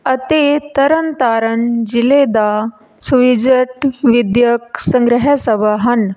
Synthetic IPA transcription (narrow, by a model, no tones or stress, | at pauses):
ət̪et̪əɾənt̪aɾəɳd͡ʑiled̪a | suʋid͡ʒəʈʋid̪jək̚sə̃ŋɡɾəɦasəbʱaɦan